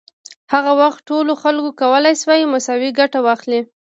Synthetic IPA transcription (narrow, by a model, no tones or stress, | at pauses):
haɣawaxt̪ʈːoloxalkokawəlajswɑjimʊsɑwiɡaʈawɑxli